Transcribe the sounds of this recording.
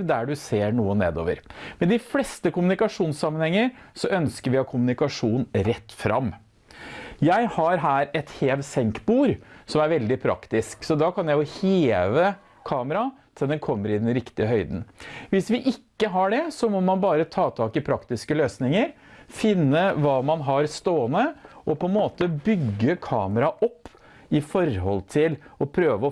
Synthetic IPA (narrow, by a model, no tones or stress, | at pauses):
d̪æɖʉseːɳuːənḛːd̪o̰ːʋə̰ɾmɛd̪ɪflɛst̪əkʊmʉnɪkɑʂuːnsɑmːənhɛŋːəɾsɔʔœnskəɾʋɪhɑkʰʊmʉnɪkɑʂuːnɾɛt̪ːfɾʔɑ̰m | jæɪhɑɾɦæːɾɛt̪heːʋsɛŋkbuːɾsɔmæɾʋɛld̪ɪpʰɾɑ̰kt̪ɪsksɔd̪ɑkʰɑnjæɪjʊheːʋə | kʰɑːməɾɑt̪ʰɪld̪ɛnkʰɔmːəɾɪd̪ɛnɾɪkt̪ɪəɦœʏd̪n̩ʋɪsʋɪʔɪkːəɦɑɖɛsɔmɔmɑnbɑːɾət̪ʰɑːt̪ʰɑːkɪpʰɾɑkt̪ɪskəløːsnɪŋəɾfɪnːəʋɑːmɑnɦɑɾst̪oːənəʔɔpʰɔɛnmoːt̪əbʏɡːəkʰɑ̰ːməɾɑʔɔpː | ɪfɔɾhɔ̰lt̪ʰɪlɔpʰɾøːʋəɔ